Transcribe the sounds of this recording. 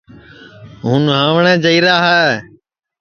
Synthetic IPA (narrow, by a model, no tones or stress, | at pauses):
ɦũnɦãːʋɳɛ̃ːd͡ʒəiːɾaːɦɛː